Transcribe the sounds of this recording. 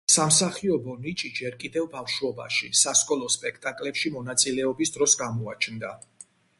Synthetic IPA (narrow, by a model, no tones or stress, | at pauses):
samsaχiɔbɔnit͡ʃʼid͡ʒɛɾkʼid̪ɛvbafʃuɔba̰ʃḭsaskʼɔlˠɔspʼɛkʰt̪ʼakʼlɛpʃimɔnat̪sʼilɛɔbisd̪ɾɔsɡamɔat͡ʃʰnd̪a